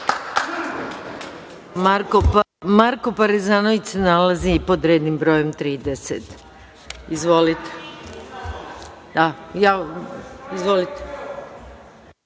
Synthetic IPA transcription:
ɾ | maɾkopaɾizaːnoʋit͡ʃsenalazipo̞d̪ɾe̞ːd̪nimbɾo̞ːje̞mt̪ɾiːd̪eset̪ | izʋo̞lit̪e̥ | d̪aja | izʋo̞lit̪e̥

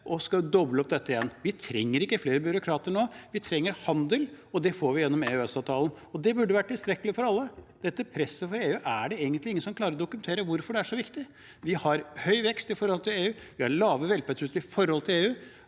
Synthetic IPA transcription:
ʔɔskɑd̪ɔbləɔp̚d̪ɛt̪ːəɪjɛnʋɪt̪ʰɾɛŋːəɾɪkːəfleːɾəbʏɾʊkʰɾɑːt̪əɳoːʋɪt̪ʰɾɛŋːəɾhɑnd̪əl | ɔd̪ɛfoːɾʋɪjɛnːɔmeːʉɛsɑːʋt̪ʰɑːlən | ɔd̪ɛbʉɖːəʋæʈʰɪlst̪ɾɛkːəlɪəfɔɾɑlːəd̪̥ɛt̪ːəpʰɾɛsːəfɔɾeːʉːʔæɖɛeːɡənt̪lɪŋəsɔmklɑːɾəɾɔd̪ʊkʉmɛnt̪ʰeːɾəʋʊɾfɔɖɛæʂɔʋɪkt̪ɪ | ʋɪhɑɾhœʏʋɛkst̪ɪfɔɾhɔlt̪ɪleːʉː | ʋɪhɑɾɭɑːʋəʋɛlfæɖʂʉt̪əɪfɔɾhɔlt̪ʰɪleːʉː

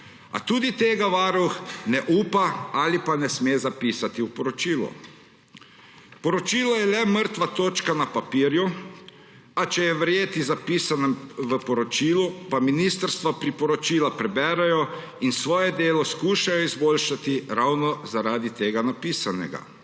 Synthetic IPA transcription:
a̰t̪uːd̪it̪eːɡaʋaɾuxnɛʔuːpaalipanɛsmeːzapiːsat̪iupɔɾɔt͡ʃiːlɔ̰ | pɔɾɔt͡ʃiːlɔjɛlɛməɾt̪ʋat̪oːt͡ʃkanapapiːɾju | at͡ʃɛjɛʋɾjeːt̪izapiːsanɛmʋəpɔɾɔt͡ʃiːlupaminiːst̪əɾst̪ʋapɾipɔɾɔt͡ʃiːlapɾɛbɛːɾɛjɔ | insʋɔːjɛd̪eːlɔskuːʃajɔizboːlʃat̪iɾawnɔzaɾaːd̪it̪eːɡanapiːsanɛ̰ɡa̰

